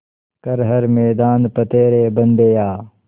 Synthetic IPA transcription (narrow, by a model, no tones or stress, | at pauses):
kɐɾɦɐɾmeːd̪aːnpɐt̪eːɾeːbɐnd̪eːjaː